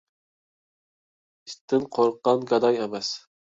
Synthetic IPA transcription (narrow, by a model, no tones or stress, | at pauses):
ist̪ʰːɪnqʰoɾqːɑnɡɑd̪ɑjɛmɛs